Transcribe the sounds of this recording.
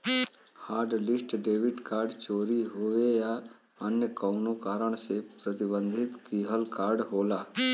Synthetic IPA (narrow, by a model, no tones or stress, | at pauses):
haːɾɖlɪsʈɖeːʋɪʈkaːɾɖt͡ʃoːɾiɦoːʋeja | ənjəkəʊnokaːɾəɳ̃sepɾət̪ɪbə̃nd̪ʱɪt̪kiːɦəlkaːɾɖɦoːlaː